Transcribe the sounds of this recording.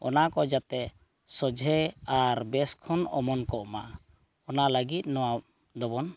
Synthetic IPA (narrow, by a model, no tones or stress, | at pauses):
ɔ̰nakɔd͡ʒat̪ɛ | sɔd͡ʒʱɛaɾbɛskʰɔnɔmɔnkɔʔmaʔ | ɔnaləɡit̪̚nɔwa | d̪ɔbɔn